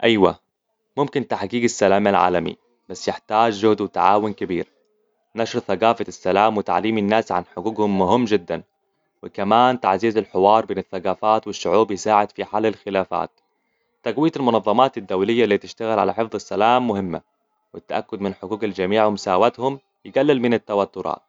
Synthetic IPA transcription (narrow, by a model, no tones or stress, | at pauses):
ʔajwa̰ | mʊmkɪnt̪aħɡiːɡasːalaːmalʕa̰ːlamḭ | b̥asːjɪħt̪aːd͡ʒʒʊhd̪wɪt̪aʕa̰ːwʊnkabiːɾ | naʃɾθaɡaːfasːalaːmwɪt̪a̰ʕliːmɪnːaːsʕa̰nħʊɡuːɡhʊmːʊɦɪmːd͡ʒɪd̪ːan | wɪkamaːnt̪a̰ʕziːzalħɪwɑːɾˤbeːnɪθːaɡaːfaːt̪wɪʃːʊʕuːbjɪsaːʕɪd̪̥fiħaːlːalxɪlaːfa̰ːt̪ː | aɡwɪjat̪almʊnɑðˤːɑmɑːt̪ad̪ːawlɪjːalːiːt̪ɪʃt̪aɣɪlʕa̰laħɪfðˤɪsːalaːmːʊhɪmːa̰ | wɪt̪ːaʔakːʊd̪mɪnħʊɡuːɡald͡ʒamiːʕwʊmʊsaːwat̪hʊm | jɪɡalːɪlmɪnɪt̪ːawat̪ːʊɾˤɑ̰ːt̪̚